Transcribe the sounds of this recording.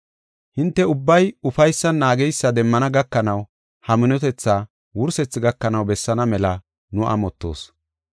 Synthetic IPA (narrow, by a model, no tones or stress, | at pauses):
hɪnt̪ːɛʊbːɐjʊfɐjsːɐnːaːɡɛjsːɐd̪ɛmːɐnɐɡɐkːɐnɐw | hɐmɪnɔt̪ɛt͡sːaː | wʊɾsɛt͡sːɪɡɐkːɐnɐwbɛsːɐnɐmɛlɐ | nʊʔɐ̰mɔt̪ːo̞̰ːs